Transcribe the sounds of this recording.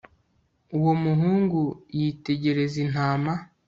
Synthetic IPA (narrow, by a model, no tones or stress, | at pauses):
uwomuɦuːŋɡujite̞ɟe̞ɾe̞zin̥aːma